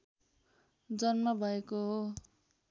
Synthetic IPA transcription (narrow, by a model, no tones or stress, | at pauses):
d͡zʌnmʌbʱʌekoɦo